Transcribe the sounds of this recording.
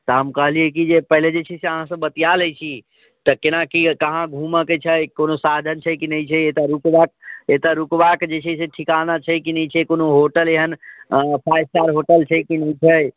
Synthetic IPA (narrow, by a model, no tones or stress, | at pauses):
t̪əɦəmkəɦliɛkid͡ʒepəɦled͡ʒet͡ʃʰɛseəɦãsə̃bət̪ijaləjt͡ʃʰi | t̪əkenakikəɦãɡʱuməket͡ʃʰəjkonosad̪ʱənt͡ʃʰəjkinəjt͡ʃʰɛet̪əɾukbak̚et̪əɾukbakd͡ʒet͡ʃʰɛseʈʰikanat͡ʃʰəkinəjt͡ʃʰɛkonoɦoʈəleɦənpʰajsʈaɾɦoʈəlt͡ʃʰəjkinəjt͡ʃʰəj